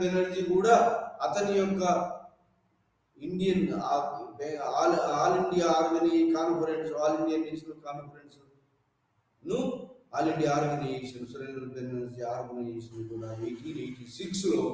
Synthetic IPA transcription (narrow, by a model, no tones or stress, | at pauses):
ɐnɐnd͡ʒikuːɽaːɐt̪ɐnijɔkːɐ | iɳɖijɐnː | peaːlaːliɳɖijaaːɾoɡɐnikaːnpʰɐɾeɳʈsaːliɳɖijɐnːeːʃɐnɐlkaːnpʰɐɾeɳʈs | nuaːliɳɖijaːɾɡɐneʂɐnusɐɾeːnɐlupennɐnsiaːɾɡɐneːʃɐnkuːɽaːejʈiejʈisiksloː